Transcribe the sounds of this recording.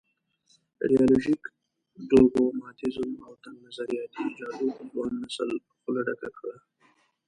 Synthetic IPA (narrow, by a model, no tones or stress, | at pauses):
ɾijɑloʒik | ɖoɡomɑːt̪ɪzumawt̪anːazaɾijɑt̪id͡ʒɑduwɑnːasə̰l | xʊlaɖakakɽa